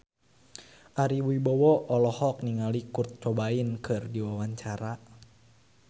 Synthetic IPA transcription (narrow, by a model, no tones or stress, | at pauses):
ʔaɾiwuibɔwɔɔlɔhɔk̚niŋalikurt̪̚t͡ʃɔbainkʰɨrdiwawaɲt͡ʃaɾa